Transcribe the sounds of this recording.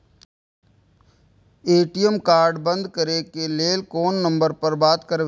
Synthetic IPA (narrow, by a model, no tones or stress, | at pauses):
eːʈijəmkaːɾɖbə̃nd̪ʱkəɾekeleːlkoːnːə̃mbəɾpɐɾbaːt̪kɐɾʋ